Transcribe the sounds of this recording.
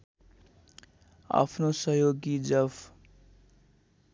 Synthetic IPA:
a̰pʰnosʌɦjoɡid͡zʌb

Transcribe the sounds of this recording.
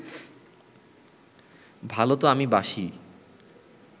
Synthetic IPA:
bʱalot̪oamibaʃi

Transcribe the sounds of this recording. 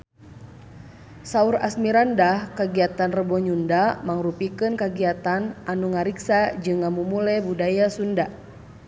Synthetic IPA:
sauɾa̰smiɾandahkaɡiat̪anrəbɔɲundamaŋɾupikɨnkaɡiat̪anʔanuŋaɾiksad͡ʒɨŋːamumulɛbudajasunda

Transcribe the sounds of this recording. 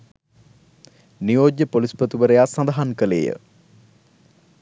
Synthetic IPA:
nijoːd̪jəpolispət̪uʋəɾejasɐnd̪ɦaŋkəlḛːjə̰

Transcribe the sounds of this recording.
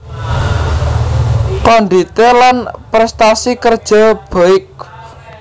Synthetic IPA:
kɔnd̪it̪elanpɾɛst̪asikərd̥ʒ̥ɔ̤b̥ɔɪk̚

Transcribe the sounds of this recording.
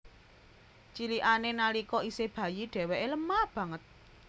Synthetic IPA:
t͡ʃiliʔanenalikɔiseb̥ä̤jiɖ̥ɛ̤weʔeləmab̥ä̤ŋət̪̚

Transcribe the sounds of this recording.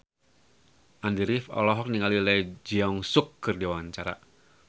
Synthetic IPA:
ʔandiɾifɔ̰lɔɦɔk̚niŋalilɛjd͡ʒiɔŋsʊkːɨrdiwaɲt͡ʃaɾa̰

